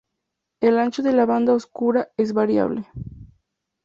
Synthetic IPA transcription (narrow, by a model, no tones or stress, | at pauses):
elant͡ʃoðelaβand̪aoskuɾaezβaɾja̰βle